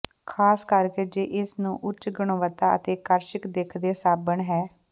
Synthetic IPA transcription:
kʰaːskəɾkeːd͡ʒeːʔɪsnũːʔʊt͡ʃɡʊɳ̃oːʋət̪aːə̰t̪eːkəɾʃɪkd̪eːkʰd̪eːsaːbəɳɦɛː

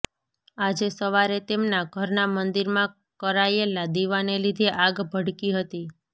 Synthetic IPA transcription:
ad͡ʒesəʋaɾet̪emnaɡʱəɾnamənd̪iɾmã | kəɾajelad̪iʋanelid̪ʱeʔaɡbʱəɽkiɦət̪i

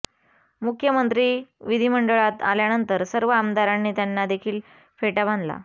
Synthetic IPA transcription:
mukʰjəmənt̪ɾiːʋid̪ʱiːməɳɖəɭat̪a̰ljanənt̪əɾsəɾʋəamd̪aɾanːiːt̪janːad̪ekʰiːl | feʈabãnd̪la̰

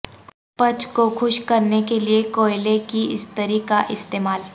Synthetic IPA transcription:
pɐt͡ʃkoxʰʊʃkɐɾnekeliekoːɪlekiɪst̪əɾikaʔɪst̪eːmaːl

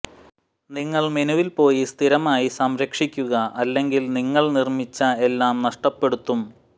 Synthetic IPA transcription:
niŋːɐɭminuʋilpo̞ːjist̪ʰiɾɐmaːjisɐmɾɐkʂikʲːuɣɐʔɐlːe̞ŋɡilniŋːɐɭnirmit͡ɕːɐe̞lːaːmnɐʂʈɐpːe̞ɽut̪ːum

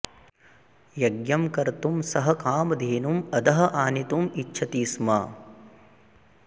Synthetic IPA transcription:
jɐɡjɐmkɐɾt̪umsɐɦɐkaːmɐd̪ʱeːnumɐd̪ɐɦɐʔaːnit̪umitːʃʰɐt̪iːsmɐ

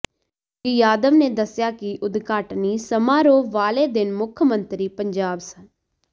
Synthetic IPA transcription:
kijaːd̪əʋneːd̪əsjaːkɪʔʊd̪ɡaːʈniːsəmãːɾoːʋaːleːd̪ɪnmʊkʰəmənt̪ɾiːpəɲd͡ʒaːbsən

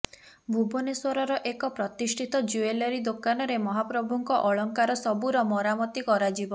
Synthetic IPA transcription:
bʱuboneswɔɾɔɾɔʔekɔpɾɔt̪isʈʰit̪ɔd͡ʒuelɔɾid̪okanɔɾemɔɦapɾɔbʱuŋkɔʔɔɭɔŋkaɾɔsɔbuɾɔmɔɾamɔt̪ikɔɾad͡ʒibɔ

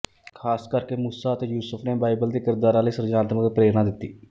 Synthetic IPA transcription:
kʰaːskəɾkeːmusaːət̪eːjuːsəfʰneːbaːɪbəld̪eːkɪɾd̪aːɾãːləiːsəɾd͡ʒaːnət̪məɡpɾeːɾnãːd̪ɪt̪ːiː

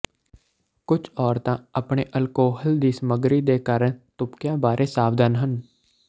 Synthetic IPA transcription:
kʊt͡ʃʰɔːɾt̪ãːəpɳeːʔəlkoːɦəld̪iːsəməɡɾiːd̪eːkaːɾəɳt̪ʊpkjãːbaːɾʔeːsaːbd̪ənɦən

